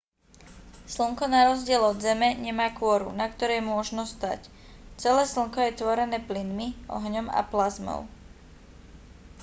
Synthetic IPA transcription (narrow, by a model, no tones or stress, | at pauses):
sl̩ŋkɔnaɾɔzɟɪɛlɔd̪zɛmɛɲɛmaːkʊɔɾṵnakt̪ɔɾɛjmʊɔʒnɔst̪a̰c | t͡sɛlɛːsl̩ŋkɔjɛt̪ʋɔɾɛnɛːplinmiɔ̰ɦɲɔma̰plazmɔ̰ʊ